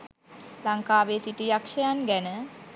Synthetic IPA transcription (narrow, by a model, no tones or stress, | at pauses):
laŋkaːʋeːsiʈijakʂɐjanɡænə